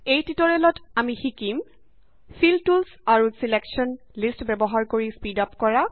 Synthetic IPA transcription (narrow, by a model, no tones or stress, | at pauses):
ejtitɔɹɛlɔtamixikim | filtulsaɹusileksɔn | listbɛbɔɦaɹkoɹispidapkɔɹa